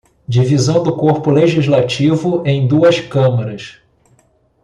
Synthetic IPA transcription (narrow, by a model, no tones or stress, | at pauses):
d͡ʒivizɐ̃w̃d̪ʊkoɾpʊleʒizlat͡ʃivʊẽj̃d̪uɐskɐ̃mɐɾɐs